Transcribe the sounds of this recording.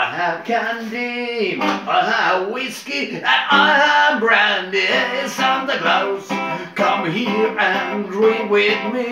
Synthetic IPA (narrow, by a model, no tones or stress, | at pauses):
aɪəv̥kʰæ̃ndimaɪəvwɪskiɨaɪəvbɹæ̃ndɪsə̃nðɨkloʊz̥kʰʌ̃mhiɹɨ̃ndɹiwɪðmi